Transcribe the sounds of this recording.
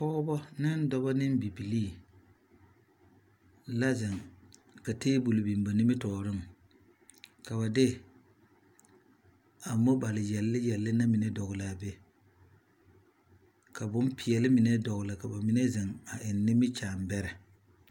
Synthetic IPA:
pɔː˦bɔ˦nɪ˦n˦dɔ˦bɔ˦nɪ˦m˦bi˨bi˨liː˦˨ | la˦zɪ˨ŋka˨teː˦bu˨lʊ˨bi˨mba˨nɪ˦mɪ˦tɔː˨ɾɪ˦m˨ | ka˨βa˨dɪ˦ | a˨mo˦ba˨lɪ˨jɛ˨lːɪ˦jɛ˨lːɪ˦na˦mɪ˨nɛ˦dɔ˨ɣʊ˨la˨be˦ | ka˨bʊ˦mpʰɪ˨ɛ˨lɪ˦mɪ˨nɛ˦dɔ˨ɣʊ˨la˨ka˨ba˨mɪ˦nɛ˦zɪ˨ŋa˨ʔɪ˨nːɪ˦mɪ˦t͡ʃaː˨mbɛ˦ɾɛ˨

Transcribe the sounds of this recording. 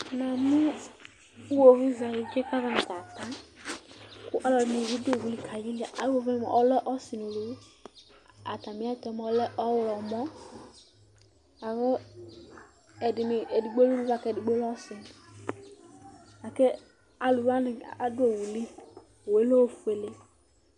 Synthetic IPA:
nã˨mi˦ | wo˨vi˦za˨ji˦d͡ʒe˦ka˦za˦nɪ̃˨t̪a˨t̪ã˦ | kʊ˦ʔɔ˦lɔ˨dɪ˨nĩ˨wi˦do˨wu˦li˨kʰa˨d͡ʒi˦li˦˨a˨ʔa˨˦o˨vɛ̰˦˨ʔɔ˦lɛ˦ʔɔ˦sɪ˨nu˨lu˨˦ | a̰˨t̪ã˨mĩ˨˦a˦t̪ɔ˨˦mɔ˨˦lɛ˦ʔɔ˦wlɔ˨mɔ̃˦ | a˨ve˦ | ɛ˨dɪ˨me˨e˨di˨ɡ͡bo˦lu˦lu˦va˦kɛ˦˨dɪ˨ɡ͡bo˦lɔ˦ɔ˦sɪ˨n˨ | a˨ke˦ | a˨lu˨va˦nɪ˨a˦dʊ˦e˨wu˨li˦˨ | wo˨e˦lo˦wo˨fu˦e˨le˦

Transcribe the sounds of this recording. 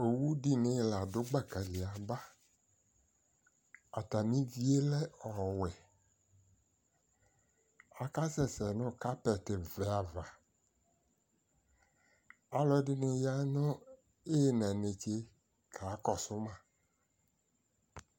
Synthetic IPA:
o˨wu˦di˦nɪ̃˨˦˨la˨dʊ˦ɡ͡ba˦ka˨lɪ˨a˨ba˦ | a˨t̪a˨mĩ˦vi˦e˦lɛ˦ɔ˨wɛ˨ | a˨ka˦sɛ˨sɛ˨nʊ̃˦ka˦pɛ˨t̪e˨vɛ˨a˨va˨ | a˨lɔ˦ɖɪ˦nɪ̃˨ja˦nɔ̃˦ | e˦˨nɛ̃˨nẽ˨t͡ʃe˦ | kʰa˨˦kɔ˨sʊ˦mã˨

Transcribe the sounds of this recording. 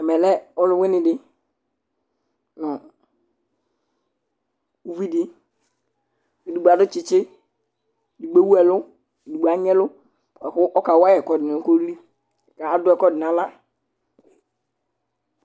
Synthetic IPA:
ɛ˨mɛ˨lɛ˦ɔ˦lʊ˦wɪ˦nɪ̃˨dɪ˦ | nɔ˨ | u˦vi˦di˦ | i˨di˨ɡ͡ba˨˦dʊ˦t͡ʃɪ˨t͡ʃɪ˦˨ | di˨ɡ͡be˦wu˦ɛ˨lʊ˦ | i˨di˨ɡ͡ba˨˦ɲɛ˦lʊ˦˨ | ɛ˨xʊ˦ʔɔ˦ka˨wa˦jɛ˨kɔ˨dɪ˨n˨˦ko˦li˦˨ | ka˨a˦dʊ˦ɛ˨kɔ˦dɪ˨n˨a˨˦la˦˨

